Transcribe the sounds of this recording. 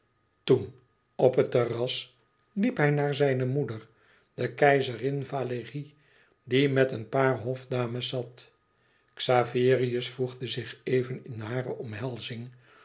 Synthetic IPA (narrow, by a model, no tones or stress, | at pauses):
tun | ɔpɦətərɑs | lipɦɛjnaːɹzɛjnəmudəɹ | d̥əkɛjzərɪnvaːləʁi | dimɛtənpaːɹɦɔfdaːməsːɑt | ksaːvɪːriəsfuχdəzɪχejvənɪnɦaːrəʔɔmɦɛlˠzɪŋ